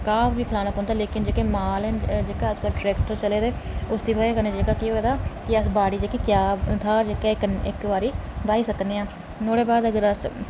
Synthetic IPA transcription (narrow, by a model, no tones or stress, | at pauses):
kaːbbiːkʰəlaːnəkɦõːnd̪aːleːkɪnd͡ʒeːkeːmaːlɛnd͡ʒeːkaːəd͡ʒkəlʈɾɛːkʈəɾt͡ʃəleːd̪eːʊsd̪iːbaːeːkəneːd͡ʒeːkaːkiːoːd̪aːkɪəsbaːɽiːd͡ʒeːkeːkjaːt̪ʰaːd͡ʒeːkaːɪkɪkʋaːɾiːbaːiːsəkneːãː | noːɽeːbaːd̪əɡəɾəs